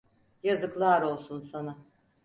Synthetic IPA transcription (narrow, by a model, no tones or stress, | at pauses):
jazɯklˠaːɾo̞lˠsunsana